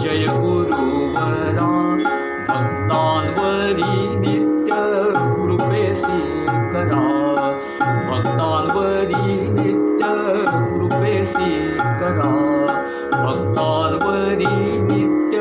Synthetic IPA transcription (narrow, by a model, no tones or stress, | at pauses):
d͡ʒɐjɐkoɾu | ʋɐ | ɾaː | bʱɐɡt̪aːnʋɐɾiniɪt̪jɐɾupeːsi | kɐɾaː | bʱɐɡt̪aːnʋɐɾinit̪jɐɾupeːsi | kɐɾaː | bʱɐɡt̪aːnʋɐɾinɪt̪jɐ